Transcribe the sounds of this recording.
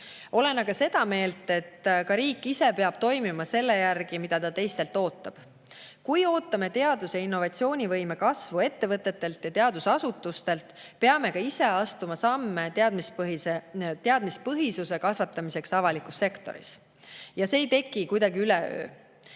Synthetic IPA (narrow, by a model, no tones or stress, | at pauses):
o̞le̞nɑɡ̥ɑse̞d̪ɑme̞ːlt̪ˑe̞t̪ːkɑɾiːkːˑise̞peɑb̥̚t̪o̞jmimɑse̞lːe̞jærɡ̥imid̪̥ɑt̪ɑt̪e̞jst̪e̞lt̪ˑo̞ːt̪ːˑɑb̥ | kujo̞ːt̪ːˑɑme̞t̪e̞ɑd̪̥useinːo̞vɑt̪sio̞ːnʲivɤjmekɑsvue̞t̪ːe̞vɤt̪ˑːe̞t̪ːe̞lt̪jɑt̪eɑd̪usɑsut̪ːˑust̪e̞lt̪pe̞ɑme̞kɑise̞ɑst̪umɑsɑmːe̞ɑd̪mispit̪eɑd̪̥mispɤɦisuse̞kɑsvɑt̪ːˑɑmise̞ksɑvɑlikˑusːe̞kt̪o̞̰ɾḭs | jɑseːjt̪e̞kˑːikujd̪ɑɡiyle̞ø̰ː